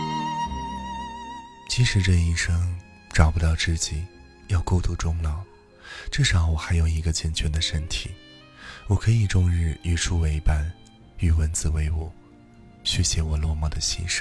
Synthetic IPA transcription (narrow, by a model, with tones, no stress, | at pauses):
t͡ɕi˧˥ʂɻ̩˧˥ʈ͡ʂɤ˥˧i˥˩ʂɤ˥ŋ | ʈ͡ʂɑ˨˩ʊpu˧t̪ɑ˥˧ʊʈ͡ʂɻ̩˥˩t͡ɕi˨˩˦ | jɑ˥˧ʊko˥˧ʊt̪u˥˩ʈ͡ʂʊ˥ŋlɑ˨˩˦ʊ | ʈ͡ʂɤ˥˩ʂɑ˧˥ŋwɔ˨˩xa˧˥ɪjo˨˩ʊi˧˥ɡə˧t͡ɕjɛ˧˥˩nt͡ɕʰɥɛ˧˥nd̪ə˨ʂə˥nt̪ʰi˨˩˦ | wɔ˨˩kʰɤ˧˥i˨˩ʈ͡ʂʊ˥˧ŋɻɻ̩˥˩y˨˩ʈ͡ʂʰu˥we˧˥ɪpa˥n | y˨˩wə˧˥nt͡sɹ̩˥˧˩we˧˥ɪwɔ˨˩˦ | ɕɥɛ˧˩ɕjɛ˧˥wɔ˨˩lwɔ˥˧mɔ˥˩d̪ə˩ɕḭ˥˧nʂ